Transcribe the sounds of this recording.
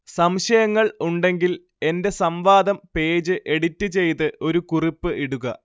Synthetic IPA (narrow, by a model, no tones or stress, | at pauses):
sɐmɕɐjɐŋːɐɭuɳɖe̞ŋɡil | e̞nde̞sɐmʋaːd̪ɐmpe̞ːd͡ʑɨʔe̞ɽitːɨt͡ɕe̞jt̪ɨʔo̞ɾukuripːɨʔiɽuɣɐ